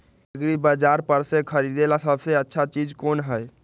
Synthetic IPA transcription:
ɡɾibəd͡ʒaɾpəɾsekʰəɾid̪elasəbʱseətːʃʰat͡ʃid͡ʒkonɦəj

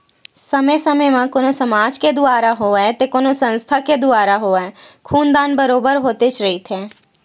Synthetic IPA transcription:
səmesəməmãkoːnosəmaːd͡ʒked̪ʊaːɾaɦoːɛt̪ekoːnosə̃nst̪ʰaked̪ʊaːɾaɦoːɛkʰuːnd̪aːnbəɾoːbəɾɦoːt̪et͡ʃʰɾəɦit̪ʰeː

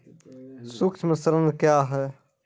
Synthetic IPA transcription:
sʊkt͡ʃʰməsəɾənd̪kjaːɦɛː

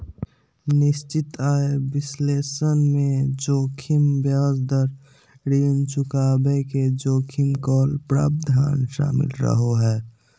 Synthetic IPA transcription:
nɪst͡ʃɪt̪aːebɪsleːsənmẽd͡ʒoːkʰimbjaːzd̪əɾ | ɾiːnt͡ʃʊkaːbeked͡ʒoːkʰɪmkɔːlpɾa̰ːb̚d̪ʱa̰ːnʃa̰ːmɪ̰lɾə̰ɦoɦɛː

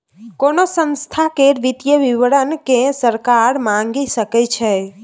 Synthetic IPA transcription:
konosə̃nst̪ʰakeɾʋit̪jəʋiʋəɽənkẽsəɾkaɾmãŋɡisəkɛt͡ʃʰɛ

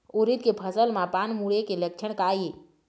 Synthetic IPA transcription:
oɾit̪kepʰəsəlmãpanmuɽekeləkt͡ʃʰəɽ̃kaːje

